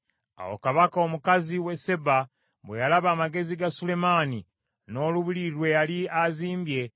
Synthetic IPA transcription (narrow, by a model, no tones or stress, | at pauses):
a̰wo̞̰kaβakao̞mukaziwe̞se̞ba | βwḛjalaβaːmaɡe̞ziɡasule̞mani | no̞ːluβiliɾwe̞jaliaziːmbje̞